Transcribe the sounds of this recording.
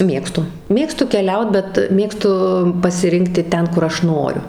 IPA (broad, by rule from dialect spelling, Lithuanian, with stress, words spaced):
ˈmʲeːkstʊ ˈmʲeːkstʊ kʲɛˈlʲɛʊt bʲɛt ˈmʲeːkstʊ pɐsʲɪˈrʲɪŋktʲɪ ˈtʲɛn kʊr ˈɐʃ ˈnoːrʲʊ